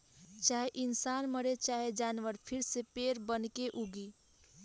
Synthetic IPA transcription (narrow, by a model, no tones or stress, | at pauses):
t͡ʃaːɦeʔɪnsanməɾet͡ʃaːɦed͡ʒaːnʋəɾpʰiɾsepeːɾbənkeʔuɡi